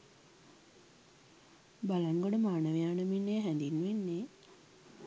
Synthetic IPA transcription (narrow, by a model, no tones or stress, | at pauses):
balaŋɡoɖəmaːnəʋejaːnəminːeɦænd̪inʋenːe